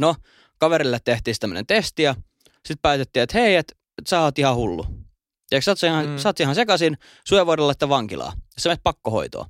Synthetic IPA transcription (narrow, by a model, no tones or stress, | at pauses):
no | kɑʋeɾilːet̪t̪eht̪ˑiːsi̥t̪æmːø̰nḛnt̪est̪ijɑ | sit̪̚pæːt̪et̪ːiːet̪heiet̪ | sɑhɑt̪ihɑhulːṵ | eksɑt̪siɑsɑt̪ːsihɑ̃nsekɑsin | sueʋoˑdelːɑsi̥t̪ːˑæʋɑŋkilɑ̰ːjɑsemet̪̚pɑkːoho̰it̪o̰ɑ̰